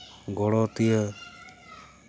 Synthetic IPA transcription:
ɡɔɽɔt̪ijə

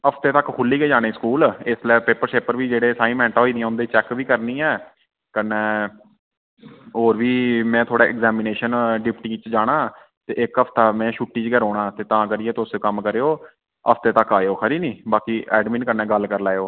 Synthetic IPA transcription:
əpʰt̪eːt̪əkkʰʊlːiːkeːd͡ʒaːɽ̃ẽːskuːlɪslɛːpeːpəɾʃeːpəɾʋiːd͡ʒeːɽeːsaːĩːmɛ̃ːɳʈɦoːiːd̪ɪjɛ̃ːʊ̃nd̪eːt͡ʃɛːkʋiːkəɾnĩːɛː | kənɛː | oːɾʋiːmɛ̃ːt̪ʰoːɽaːʔɪkzɛːmɪneːʃənɖɪpʈiːkɪt͡ʃd͡ʒaːɽ̃aː | t̪ḛːʔɪkəpʰt̪aːmɛ̃ːʃuːʈːiːt͡ʃɡəɾoːɽãːt̪eːt̪ãːkəɾijeːt̪oʊsokəmkəɾeːoː | ə̰pʰt̪eːt̪əkaːeoːkʰəɾiːnĩːbaːkiːɛːɖmĩːnkəɾnɛ̃ːɡəlkəɾlaːeoː

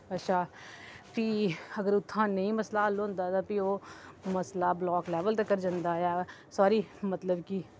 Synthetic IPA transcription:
ətːʃʰaːpiːəɡəɾʊt̪ʰːãːnəĩːməslaːlːoːʊ̃ːnd̪aːt̪ãːpioːməslaːblɔːklɛːʋəlt̪ekːəɾd͡ʒãːnd̪aːjaːsaːɾiːmət̪ləbkiː

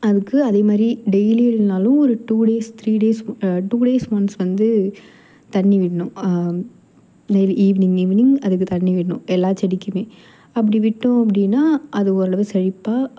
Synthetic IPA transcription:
ɐðɯkːɯɐðeːmaːd̪ɾiɖɛjliɪlnaːlʊ̃ɔɾɯʈuːɽeːst̪ʰɾiːɖeːsʈuːɽeːsmɐnsʋɐnd̪ɯ | t̪ɐɳːiʋɪʈːɐɳʊ̃ | nɐjɪlʔiːʋɪnɪŋɡiːʋɪnɪŋɡɐðɯk̬ːɯt̪ɐɳːiʋɪʈːɐnʊ̰̃ɛlːaːt͡ʃɛɽɪkːɯmeː | ɐp̬ːɐɽiʋɪʈːʊ̃ɐp̬ːɐɽɪnːaːʔɐðɯɔɾɐɽɐʋɯsɛɻɪpːaː

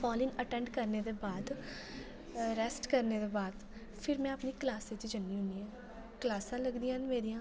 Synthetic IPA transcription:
pɔːlɪnəʈɛ̃ːɳɖkəɾneːd̪eːbaːd̪ | ɾɛːsʈkəɾneːd̪eːbaːd̪ | pʰɪɾmɛ̃ːəpniːklaːset͡ʃd͡ʒənːiːɦʊ̃niːɦãː | klaːsãːləɡd̪ijãːnmeːɾijãː

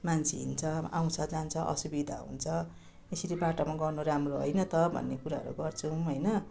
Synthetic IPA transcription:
mant͡sʰiɦḭnt͡sʰʌa̰w̃t͡sʰʌd͡zant͡sʰʌʔʌ̰subid̪ʱa̰ɦṵnt͡sʰʌ | esiɾibaʈamaɡʌrnuɾamroɦo̰jnʌt̪ʌbʱʌ̰nːekuɾaʌ̰ɾṵɡʌrt͡sʰũɦʌjnʌ

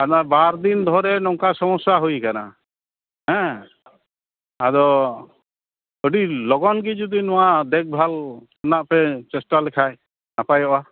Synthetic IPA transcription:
ad̪abaɾd̪ind̪ʱɔɾɛnɔŋkasɔmɔsaɦujkana̰ | ɦɛ̃ | ad̪ɔ | əɖilɔɡɔnɡid͡ʒud̪inɔwaʔd̪ɛk̚bʱal | ɔnaʔpɛt͡ʃɛsʈalɛkʰaj | napajɔʔa

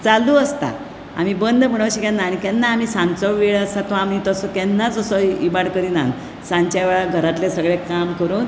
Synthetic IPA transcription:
t͡saluəst̪a̰ | a̰m̤ibənd̪ʱm̤əɽ̃əʋɕikanːaːnikɛ̃nːaːmiːsãnt͡sɔʋʋeɭəsat̪ɔamnit̪ɔsɔkɛnːad͡zəsɔibaɽkəɾina̰n | sãnt͡ɕaʋɛɭaɡʱəɾat̪lesəɡɭekamkəɾuːn

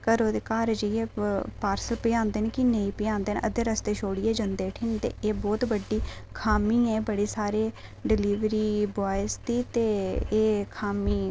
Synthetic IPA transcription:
kəɾoːd̪ekaːɾd͡ʒieːpaːɾsəlpɪjãːnd̪eːneːkɪneiːpɪjãːnd̪eːnʔəd̪eːɾəst̪eːʃoːɽieːd͡ʒənd̪eːʈʰɪnt̪ḛːʔeːbɔːt̪bəɖːiːkʰaːmiːɛ̃ːbəɽeːsaːɾeː | ɖɪliːʋɾiːbaːjst̪iːt̪eːeːkʰaːmiː

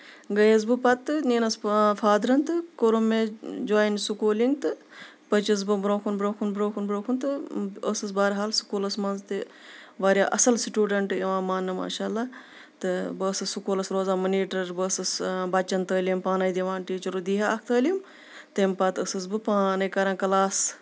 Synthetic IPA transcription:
ɡɐjɐz̬bɨpɐt̪ɨniːnɐsfʰaːd̪ɾɐnt̪ɨkoɾumːẽd͡ʒoaːjinsukuːliŋɡt̪ɨ | pɐt͡ʃis̬bɨbɾoːkʰunbɾoːkʰunbɾoːkʰunbɾoːkʰunt̪ɨəsɨs̬baːɾɦaːlsu̥kuːlɐsmɐnzt̪e | ʋaːɾʲjaːʔɐsɐlsiʈʲuːɖɐɳʈɐʋãːmaːnːɨma̰ːʃaːlːaː | t̪ɨbɨːsɨsukuːlɐsɾoːzaːmɐniːʈɐɾbəːsɨsbɐt͡ʃːɐnt̪əːlimpaːnɐjd̪iʋãːnʈiːt͡ʃɐɾud̪iːɦaɐk̚ʰt̪əːlim | t̪empat̪əsɨs̬bɨpaːnɐjkɐɾãːkɐlaːs

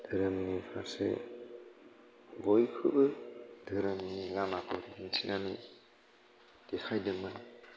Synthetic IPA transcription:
d̥ɯɾɯmnipʰaɾsḛ | bɔjkʰɯbɯdɯɾɯmnilamakɔɾiinsʰinani | d̥ekʰajdɯman

